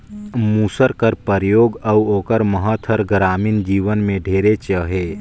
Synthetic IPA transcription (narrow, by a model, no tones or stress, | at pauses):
muːsəɾkəɾpəɾjoːɡəuoːkəɾməɦət̪ʰəɾɡɾaːmind͡ʒiːʋənmẽɖʱeːɾet͡ʃəɦe